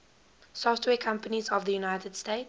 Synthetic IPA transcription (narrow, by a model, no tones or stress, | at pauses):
sɔftwɛːkʰãmpənizɔvðəjunaɪtəd̥steɪt